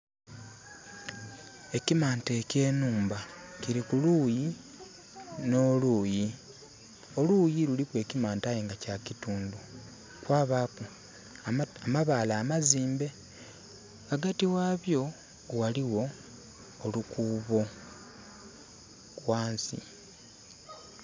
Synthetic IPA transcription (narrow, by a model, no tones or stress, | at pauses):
e̞cimaːnte̞ce̞ːnuːmba | ciɾikuluji | no̞ːluːji | o̞luːjilulikwe̞ːcimaːntaːjeːŋɡacacituːndu | kwaːβaːku | amaβaːlaːmaziːmbe̞ | aɡatiwaːβjo̞ | waliwo̞ː | lukuːβo̞ | kwaːnsḭ